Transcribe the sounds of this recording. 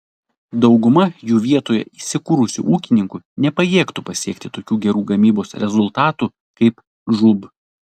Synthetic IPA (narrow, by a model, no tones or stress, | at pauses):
d̪ɒʊɡʊmɐjuːʋʲiɛt̪oːjɛ̰isʲɪkuɾʊsʲʊ̰ʔuːkʲɪnʲɪŋkʊnʲɛpɐjeːkt̪upɐsʲiɛkt̪ʲɪt̪oːkʲuːɡʲɛɾuːɡɐmʲiːboːsɾʲɛzʊlˠt̪ɑːt̪u | kɐɪp | ʒʊb